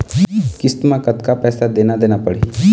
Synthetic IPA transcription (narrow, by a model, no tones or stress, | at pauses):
kɪst̪mãkət̪kapɛːsad̪eːnad̪eːnapəɽe